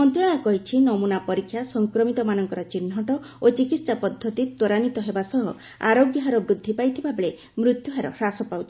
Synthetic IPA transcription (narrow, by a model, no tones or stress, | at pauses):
mɔnt̪ɾɔɽ̃akɔɦit͡ʃʰinɔmunapɔɾikʰːjasɔŋkɾɔmit̪ɔmanɔŋkɔɾɔt͡ʃin̤ːɔʈɔ | ot͡ʃikit̪ssapɔd̪ʱːɔt̪it̪oɾanit̪ɔɦebasɔɦɔ | a̰ɾoɡjɔɦaɾɔbɾud̪ʱːipajt̪ʰibʱabeɭe | mɾut̪juɦaɾɔɾasɔpawt͡ʃʰi̥